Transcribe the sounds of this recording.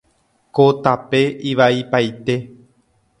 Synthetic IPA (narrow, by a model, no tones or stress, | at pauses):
kot̪ape̞ʔiʋaipajt̪e̞